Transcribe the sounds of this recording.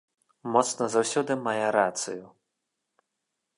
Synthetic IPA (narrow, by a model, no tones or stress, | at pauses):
mɔt̪snɐzawsʲɔd̪ɨmajɛɾat̪sɨ̰ju